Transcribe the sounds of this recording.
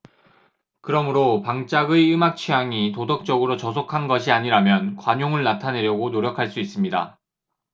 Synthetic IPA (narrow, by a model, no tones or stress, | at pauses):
kɯɾʌmɯɾopaŋt͡ɕ͈aɡɯɯmak̚t͡ɕʰijaŋitodʌk̚t͡ɕ͈ʌɡɯɾot͡ɕʌs̬ʰokʰanɡʌɕʰiaɲiɾamjʌnkwaɲoŋɯɭnatʰane̞ɾjʌɡonoɾjʌkʰaɭs͈uis͈ɯmɲida̰